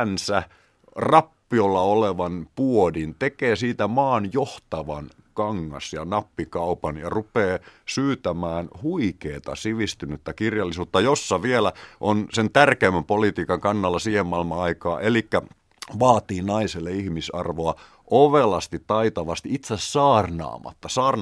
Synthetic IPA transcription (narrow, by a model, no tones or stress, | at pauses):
nsæ | rɑpːiolːɑoleʋɑnpuodint̪ekeːsiːt̪æmɑːnjoht̪ɑʋɑn | kɑŋːɑ̰sjɑnɑpːikɑupɑnjɑ̰rupeːsyːt̪æmæːnhuikeːt̪ɑ̰siʋist̪ynyt̪ːækirjɑlːisuːt̪ːɑjosːɑʋielæʔonsent̪ærkeimːæmpolit̪iːkɑŋkɑnːɑlːɑsiːhemmɑilmɑɑikɑːʔelikːæ | ʋɑːt̪iːnɑiselːeihmisɑ̰rʋoɑ | ʔoʋelɑst̪it̪tɑit̪ɑʋɑst̪iit̪sessɑːrnɑ̰ːmɑ̰t̪ːɑsɑːrn